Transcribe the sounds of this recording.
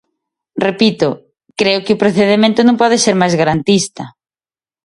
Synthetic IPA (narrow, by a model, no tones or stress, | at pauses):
repit̪ʊ | kɾeʊkɪʊpɾoθeðemẽnt̪ʊnõŋpɔðɪseɾmajzɣaɾant̪ist̪ɐ